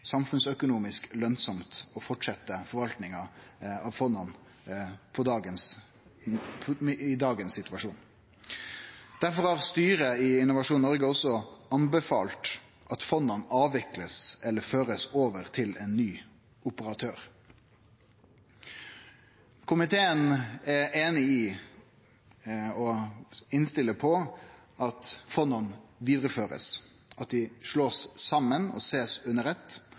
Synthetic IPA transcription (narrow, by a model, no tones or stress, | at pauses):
sɑmfʉnsœkʊnuːmɪsklœnsɔmt̪ɔfɔʈʂɛt̪ːəfɔɾʋɑlt̪nɪŋɑɑʋfɔnɑn | pʰɔd̪ɑːɡəns | ɪd̪ɑːɡənssɪt̪ʉʋɑʂuːn | d̪̥æʁfɔʁhɑːʁst̪yːɾəɪɪnʊʋɑʂuːnnɔʁɡəɔsːɔɑnbɛfɑːlt̪ | ʔɑt̪fɔnːɑnɑːʋɪkləsɛlːəføːɾəsoːʋəʁt̪ʰɪleːnːyː | ʔʊpəɾɑt̪ʰøːɾ | kʰʊmɪt̪ʰeːənɛeːnɪɪ | ɔɪnst̪ɪlːəpʰɔ | ʔɑt̪fɔnɑnʋiːd̪ʁəføːɾə̰s | ɑt̪̚d̪ɪʂɭoːssɑmːənɔ̰seːsʉnːəɾʁɛt̪ː